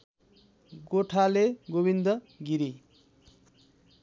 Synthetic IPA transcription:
ɡoʈʰaleɡobind̪ʌ | ɡiɾi

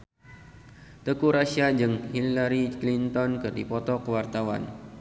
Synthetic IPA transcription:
t̪əkuɾaʃiad͡ʒɨŋhilaɾiklint̪ɔnkɨrdipɔt̪ɔkəwart̪awa̰n

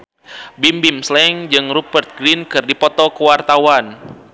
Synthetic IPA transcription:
bimbimslɛŋd͡ʒɨŋrupərt̪̚ɡɾinkɨrdipɔt̪ɔkəwart̪awan

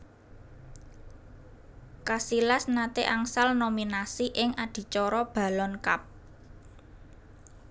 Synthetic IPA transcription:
kasilasnat̪eʔaŋsalnominasiʔɪŋad̪̥i̤t͡ʃɔɾɔb̥a̤lɔnka̰p̚

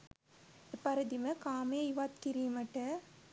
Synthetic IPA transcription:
ɪpːɐɾɐd̪imɐkaːmeːɪʋaːt̪kɪɾiːmɐʈːɐ

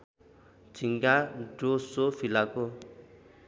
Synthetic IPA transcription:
d͡zʱiŋɡaɖosopʰilako

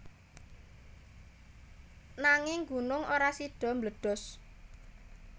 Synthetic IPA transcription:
naŋɪŋɡṳnʊŋoɾasiɖ̥ɔ̤mbləɖ̥ɔ̤s

